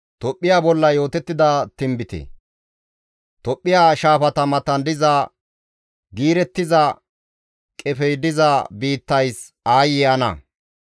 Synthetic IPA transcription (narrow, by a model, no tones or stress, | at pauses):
t̪ɔpʼːɪjaːbɔlːɐjo̞ːt̪ɛt̪ːɪd̪ɐt̪ɪmbɪt̪ɛ̰ | t̪ɔpʼːɪjaːʃaːfɐt̪ɐmɐt̪ɐnd̪ɪzɐ | ɡiːɾɛt̪ːɪzɐ | kʼɛfɛjd̪ɪzɐbiːt̪ːɐjs | aːjɪɐnɐ̰